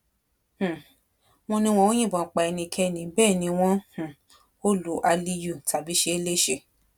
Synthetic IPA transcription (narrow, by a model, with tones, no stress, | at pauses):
h̩˦˨ | w̃ɔ̃˧nĩ˧w̃ɔ̃˧wõ˦j̃ĩ˦˨bɔ̃˨k͡pa˧ɛ˧nĩ˧kʰɛ˧˦˨nĩ˨˦bɛː˦˨nĩ˨˧˦w̃ɔ̃˦h̩˨ | o˦lu˨˦ʔa˧li˧ju˦˨ta˨bi˨˦ʃe˧˦e˦le˦ʃe˧˦˨